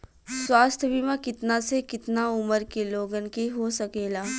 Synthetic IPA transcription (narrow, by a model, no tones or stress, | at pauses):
swaːst̪ʰbiːmakɪt̪nasekɪt̪naʊməɾkeloːɡənkeɦosɐkeːlaː